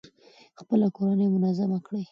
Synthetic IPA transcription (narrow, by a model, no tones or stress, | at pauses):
xpəlakoɾanəjmʊnazamakɽəj